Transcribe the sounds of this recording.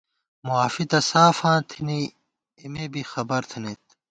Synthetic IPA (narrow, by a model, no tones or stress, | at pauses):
muaːfit̪ɐsaːfãːt̪ʰini | imebixɐbɐɾt̪ʰinet̪